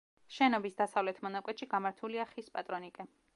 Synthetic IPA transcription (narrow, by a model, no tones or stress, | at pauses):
ʃɛnɔbisd̪asavlɛt̪ʰmɔnakʼwɛt̪ʃiɡamaɾt̪ʰuliaχispʼat̪ʼɾɔnikʼɛ